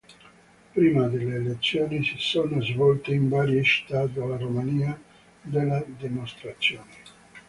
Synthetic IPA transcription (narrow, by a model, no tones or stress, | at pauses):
pɾiːmad̪elːeːlet̪sːjoːnisisoːnozvɔlt̪eiɱvaːɾjeʃt̪at̪alaɾomaniːa | d̪elːad̪emost̪ɾat̪sːjoːne